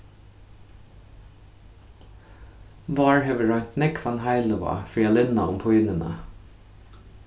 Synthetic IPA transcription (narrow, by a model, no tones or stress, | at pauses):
ʋɑːɹheʋəɹɑnt̪nɪkʰʋɑnhɑɪlʊʋɑ̰fɹiːɑlɪnɑʊmpʰɔʏnənə̰